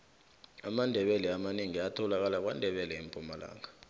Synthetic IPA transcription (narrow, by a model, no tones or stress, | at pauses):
amandʱɛɓɛlɛamaniŋiatʰɔlak̬alak̬wa̰ndʱɛɓɛlɛimpʼumala̰ːŋa